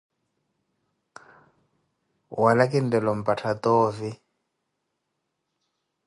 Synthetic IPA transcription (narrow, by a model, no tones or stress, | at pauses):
walakindɛlɔm̩patʰatɔːvi